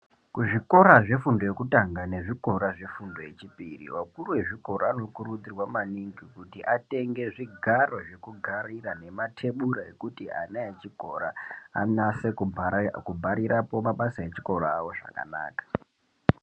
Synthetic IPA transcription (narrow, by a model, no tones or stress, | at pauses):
kuʐiko̞ɾaʐe̞fundo̞je̞kutaŋɡane̞ʐiko̞ɾaʐe̞fundo̞je̞t͡ʃipirḭwakuruwe̞ʐiko̞ɾaano̞kuɾud͡zirwamaniŋɡikutiʔate̞ŋɡe̞ʐiɡʱaro̞ʐe̞kuɡʱarirane̞matʰe̞ɓuɾae̞̰kutia̰naet͡ʃiko̞ɾa̰ːnasekubʱaɾiɾapo̞maɓasae̞t͡ʃi̥ko̞ɾaːwo̞ʐa̰ka̰na̰ːkḁ